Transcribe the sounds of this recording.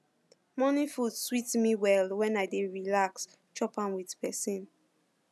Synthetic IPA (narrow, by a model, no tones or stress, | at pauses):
mɔnifudswitmiwɛlwɛ̃naɪdeɹilaks | t͡ʃɔpãnwið̥pɛsĩn